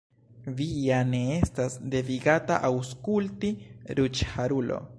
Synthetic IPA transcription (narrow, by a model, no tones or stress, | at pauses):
viane̞estasd̪e̞viɡataʔawskultiɾut͡ʃhaɾulo̞̰